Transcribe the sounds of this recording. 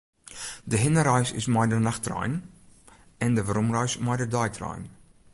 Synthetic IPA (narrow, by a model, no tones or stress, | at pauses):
dəɦɪnəɾaɥsɪ̰smajdərnaxtrœ̰jn | ɛndəʋəɾumrœɥsmajdədɔjtʰra̰jn